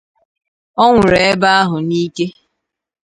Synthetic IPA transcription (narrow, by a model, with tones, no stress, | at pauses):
ɔ˦ŋʷʊ˨ɾe˨e˦ba˦a˦ɦʊ˨ni˦ke˦